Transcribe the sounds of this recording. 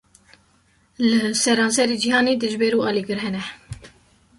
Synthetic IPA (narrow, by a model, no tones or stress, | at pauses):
lɨsɛɾɑːnsɛɾeːd͡ʒihɑːneːd̪ɨʒbɛɾuːɑːliːɡɨɾɦɛnɛ